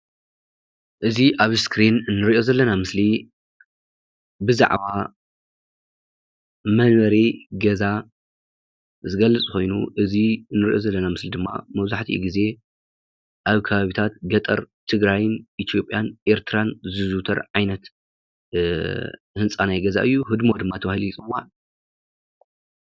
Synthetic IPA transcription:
ʔɨziʔaβskɾinnːɨɾiʔo̞zɐlːɐnamɨsli | bɨza̰ʕβa | mɐnβɐɾiɡɐza | zɨɡɐlːɨt͡sʼko̞jnṵʔɨzinːɨɾiʔo̞zɐlːɐnamɨslid̪ɨmːa̰mɐβzaħt̪ʰḭɡize̞ | ʔaβkʰɐβaβit̪ʰat̪̚ɡɐt̪ʼɐ̰ɾt̪ʰɨɡɾajnʔit̪ʰijo̞pʼjanʔe̞ɾt̪ʰɨɾanzɨzut̪ʰɐ̰ɾʕajnɐt̪ | hɨnt͡sʼanajɡɐza̰ʔɨjːuɦɨd̪mo̞d̪ɨmːat̪ʰɐβahilit͡sʼɨmwa̰

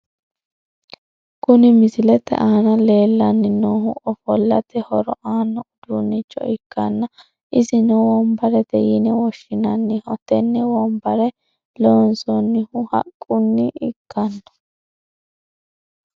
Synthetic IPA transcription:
kʊnɪmɪsɪlɛt̪ːɛ̰ʔaːnɐle̞ːlːɐnːɪnoːɦʊ̰ʔɔfɔlːɐ̰t̪ʰɛhɔɾɔʔaːnːɔʊd̪̥unːɪt͡ʃʼːɔ̰ɪkːɐnːɐ | ʔɪzɪnɛwɔmbɐɾɛt̪ɛ̰jɪnɛwɔʃːɪnɐnːɪhɔt̪ːɛnːɛwɔmbɐɾɛ | loːnsɔnːɪhʊhɐ̰kʼːʊnːɪɪkːɐnːɐ̥

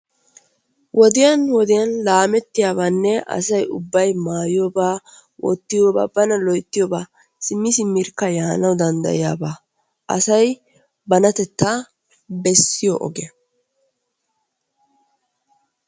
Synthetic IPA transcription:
wʔɔd̪ɪjɐnwɔd̪ɪjɐnlaːmɛt̪ːɪjaːbaːnːɛʔɐ̰sɐjʊbːɐjmaːjɪjoːbaːwʔɔ̰t̪ːɪjoːba̰ːbɐnɐlɔjt̪ːɪjɔːbaː | sɪmːɪsɪmːɪɾkːɐjaːnɐwd̪ɐnd̪ɐ̰jɪja̰ːbaː | ʔɐ̰sɐj | bɐnɐt̪ɛt̪ːa | bɛsːɪjɔ̰ʔɔ̰ɡɛ

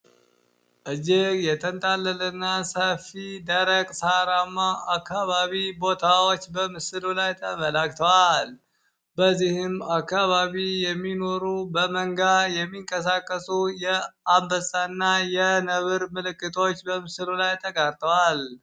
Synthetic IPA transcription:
ʔɨd͡ʒejɛt̪ʰənt̪ʼalːələnːasəfid̪əɾəɡʼsaɾamːaːkːaβaβibo̞t̪ʰawot͡ʃːbəmɨsɨlulajt̪ʰəməlakt̪ʰəwal | bəzːihɪmakːaβaβijɛmːino̞ɾubəməŋɡajɛmːiŋkʼəs̬akʼːəsujɛambəsʼanːajɛnəβɨɾmɨlɨkʼːɨt̪ʼʰo̞t͡ʃːbəmɨsɨlulajt̪ʰəkʼaɾt̪ʰʼəwal

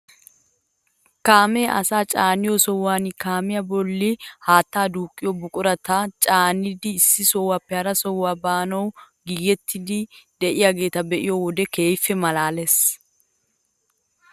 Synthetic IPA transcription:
kaːmɛːʔɐ̰saːt͡ʃʼaːnɪjɔsɔwːaːnɪkaːmɪjɐbɔlːɪhaːt̪ːaːd̪uːkʼːɪjɔbʊkʼʊɾɐt̪ɐt͡ʃʼaːnɪd̪ɪːsːɪsɔwːapːɛhɐɾɐsɔwːaːbaːnɐw | ɡiːjɛt̪ʰːɪd̪ɪd̪ɛʔɪjaɡe̞ːt̪ɐbɛʔɪjɔwɔd̪ɛke̞ːjfːɛmɐlaːles

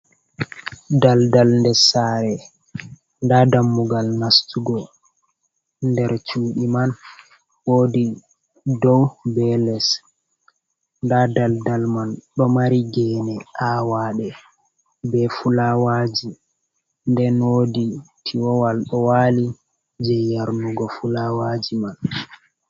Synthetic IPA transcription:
daldalndɛsaːɾɛ | ndadamːuɡalnastuɡɔ | ndɛɾt͡ʃuːɗiman | woːdi | dɔwbɛlɛs | ndadaldalmanɗɔmaɾiɡɛːnɛʔaːwaːɗɛ | bɛfulawad͡ʒi | ndɛnoditʰiwɔwalɗɔwali | d͡ʒɛjaɾnuɡɔfulawad͡ʒiman

